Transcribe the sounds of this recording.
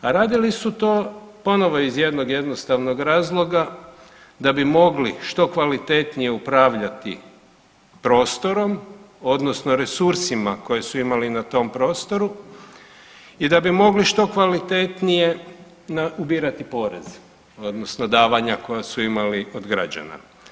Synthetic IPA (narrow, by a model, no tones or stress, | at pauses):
aɾaːd̪ilisut̪o̞ːpo̞no̞ʋo̞izje̞d̪no̞ɡje̞d̪nost̪aʋno̞ɡɾaːzlˠo̞ɡa | d̪abimo̞ɡliʃt̪o̞kʋalit̪e̞t̪nije̞upɾaːʋʎat̪ḭ | pɾo̞ːst̪o̞ɾo̞m | o̞d̪no̞sno̞ɾe̞suɾsimako̞jesuimalinat̪o̞mpɾo̞ːst̪o̞ɾu | id̪abimo̞ɡliʃt̪o̞kʋalit̪et̪nije̞ | naubiːɾat̪ipo̞ːɾḛz̥ | o̞d̪no̞sno̞d̪aːʋaɲako̞jasuimaliʔod̪ɡɾa̰d͡ʑa̰na̰